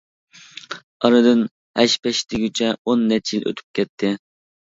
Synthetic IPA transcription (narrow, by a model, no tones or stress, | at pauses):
ɑɾɨd̪ɨn | hɛʃpɛʃt̪ʰɪɡʲyt͡ʃʰɛonːɛt͡ʃʰjilʔø̰t̪ʰy̥p̚kʲɛt̪ʰːɪ